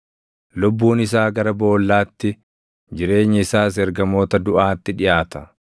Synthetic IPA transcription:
lʊbːuːnɪsaːɡɐɾɐbo̞ːlːaːt̪ːɪ | d͡ʒɪɾe̞ːɲːɐɪsaːs̬ɛɾɡɐmo̞ːt̪ɐd̪ʊʔaːt̪ːɪᶑɪʔaːt̪ɐ

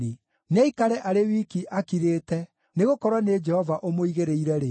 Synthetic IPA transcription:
e | naikaɾɛʔaɾewikiʔakiɾeːtɛ | neɣokɔɾwaned͡ʒɛhɔvaʔomoiɣeɾeiɾɛɾe

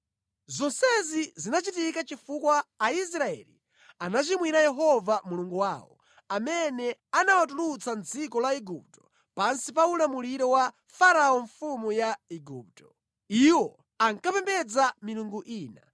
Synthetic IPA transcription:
zɔsɛzizinat͡ʃitikat͡ʃifukwaːis̬ɾaɛ̰li | anat͡ʃimwiɾajɛɦɔvamuluŋɡuwaːwɔ̰ | amɛnɛanawatulut͡sand͡zikɔlaiɡup̚tɔ̥ | pansipaulamuliɾɔwa | faɾaɔɱfumujaiɡuːp̚tɔ̥ | iwɔ | aŋkapɛmbɛd͡zamiluŋɡuʔiːna

